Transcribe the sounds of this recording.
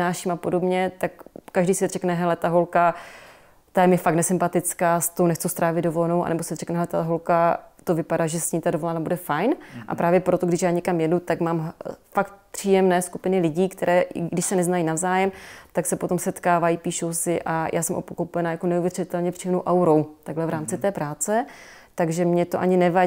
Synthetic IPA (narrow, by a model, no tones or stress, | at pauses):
naːʃimapo̞do̞bɲɛt̪akːaʒdiːsɪrɛknɛɦɛlɛt̪aɦo̞lka | t̪ajɛmjɛfak̚tnɛsɪmpat̪ɪt͡skaːst̪ownɛxt͡sust̪ɾaːvɪd̪do̞volɛnowʔa̰nɛbo̞sɪrɛknɛɦɛlɛt̪aɦo̞lkat̪o̞vɪpadaːʒɛsɲiːmt̪adovo̞lɛnaːbudɛfajnʔa̰pɾaːvjɛpɾo̞t̪oɡdɪʃjaːɲɛkamjɛdut̪akmaːmfak̚t̪̚pr̥iːjɛmnɛːskupɪnɪlɪɟiːkt̪ɛɾʔɛ̰ːɡdɪʃsɛnɛznajinavzaːjɛmt̪aksɛpo̞t̪o̞msɛt̪kaːvajipiːʃowsɪʔajʔa̰ːsɛmʔopokopɛnajakonɛuvjɛrɪt̪ɛlɲɛpr̝̥ijɛmnowʔawɾo̞wt̪aɡɦlɛvɾaːmt͡sɪt̪ɛːpɾaːt͡sɛ | t̪aɡʒɛmɲɛt̪oʔaɲɪnɛva